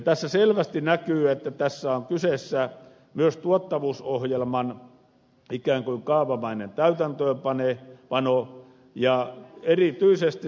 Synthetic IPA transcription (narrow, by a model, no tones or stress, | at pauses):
t̪æsːæselʋæst̪inækyːet̪ːæt̪æsːæoŋkysesːæ | myøst̪uot̪ːɑʋuːsohjelmɑn | ikæːŋkuiŋkɑːʋɑmɑinent̪æyt̪ænt̪øːmpɑnepɑno | jɑerit̪yisest̪i